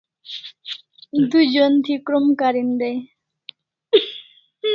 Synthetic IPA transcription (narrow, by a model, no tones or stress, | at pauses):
d̪ujd͡ʒont̪ʰikɾomkaɾind̪ej